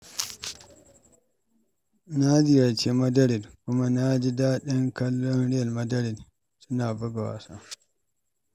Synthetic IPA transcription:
na˦d͡ʒɪ˦ja˨t͡ʃe˦mɐ˦dɐ˦ɽɪ˨dkʷʊ˦ma˦na˦d͡ʒi˦daː˦ɗɪ˦ŋkɐ˦lːɔ˦nɽɪ˦ja˨lmɐ˦dɐ˦ɾɪ˨d | sʊ˦naː˨bɐ˦ɡa˨wa̰˨sa̰˦

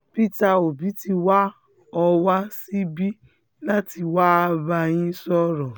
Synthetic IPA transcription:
pi˦˨ta˧o˨bi˨˦ti˧wa˦ | ɔ˧wa˦si˦bi˦ | la˦ti˧wa˦a˧ba˧j̃ĩ˦sɔ˦ɾɔ˨

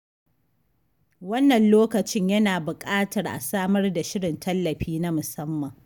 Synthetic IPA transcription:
wɐ˦nːɐ˨nloː˦kɐ˨t͡ʃɪ˦ɲjɐ˦naː˨bʊ˨kʼaː˦tɐ˨rʔa̰˨saː˦mɐ˦rda˨ʃɪ˦ɽɪ˨ntʰɐ˦lːɐ˨ɸiː˦na˦mʊ˨sɐ˦mːɐ˨ŋ

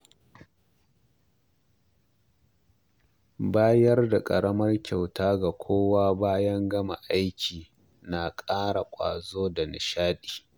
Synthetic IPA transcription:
baː˦jɐ˦rda˨kʼɐ̰˨ɽɐ˦mɐ˦rkʲa˨wtʰaː˦ɡa˨kʷʰoː˦waː˦baː˦jɐ˦ŋɡɐ˦ma̰˨ʔa˦jkʲiː˨ | na˨kʼaː˦ɽa˨kʷʼa̰ː˨zoː˦da˨nɪ̰˨ʃaː˦ɗi̥ː˨

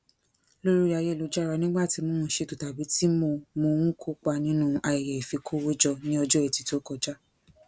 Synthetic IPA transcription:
lo˦ɾu˦ɾi˦˧a˧je˦˨o˨˧d͡ʒa˦˨ɾa˧nĩ˦ɡ͡ba˦˨ti˧mõ˦ũ˨˦˨ʃe˧˨to˨ta˨bi˨˦ti˦mo˧mõ˧w̃ũ˦kʰo˦k͡pa˧nĩ˦nũ˦ʔa˧i˨jɛ˨i˨fi˧kʰo˦wo˦d͡ʒɔ˧nĩ˦ɔ˧d͡ʒɔ˦e˨ti˨to˨˦kɔ˧d͡ʒa˦

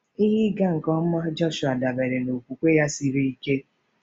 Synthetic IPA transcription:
i˦ɦɪ˦ɡa˦ŋ̩˨kɔ˦m̩˦ma˦d͡ʒɔ˦ʃu˨a˨da˨be˨ɾe˨no˨kʷu˨kʷe˦ja˦si˦ɾi˦i˦ke˦

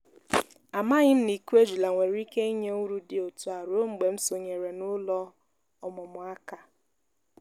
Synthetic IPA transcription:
a˨ma˦ɲɪ˦m̩˦ni˨ku˦e˦d͡ʒu˨la˨ŋʷe˨ɾi˦ke˦i˦ɲe˦ŋu˦ɾu˦dɪ˨o˨tu˨a˨ɾo˦ŋ͡m̩˨ɡ͡be˨m̩˦so˨ɲe˨ɾe˨nʊ˦lɔ˦ | ɔ˨mʊ˨mʊ˨a˦ka˦

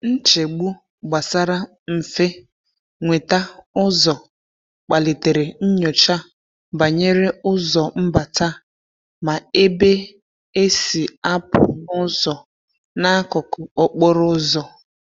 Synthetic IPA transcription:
n̩˦t͡ʃe˨ɡ͡bu˦ | ɡ͡ba˨sa˦ɾa˦ | m̩˨fe˦ | ŋʷe˨ta˦ʊ˦zɔ˨ | k͡pa˨le˨te˨ɾe˨n̩˦ɲo˨t͡ʃa˦ | ba˨ɲe˦ɾe˦ʊ˦zɔ˨m̩˦ba˨ta˦ | ma˨e˦be˦ | e˦si˨a˦pʊ˨nʊ˦zɔ˨ | na˦kʊ˨kʊ˨o˨k͡po˦ɾʊ˦zɔ˨

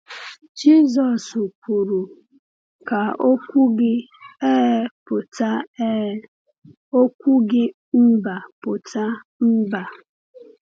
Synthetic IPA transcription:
d͡ʒi˦zɔ˨su˨kʷu˨ɾu˨ | ka˨o˦kʷu˦ɡɪ˦ | e˦pʊ˨ta˦ | o˦kʷu˦ɡɪ˦ | m̩˦ba˨pʊ˨ta˦m̩˦ba˨

